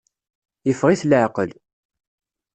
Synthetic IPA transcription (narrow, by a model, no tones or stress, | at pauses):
jəfʁiθlʕqəl